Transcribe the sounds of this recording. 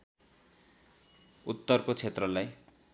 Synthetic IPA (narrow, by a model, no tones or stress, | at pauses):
ut̪ːʌrkot͡sʰet̪rʌlaj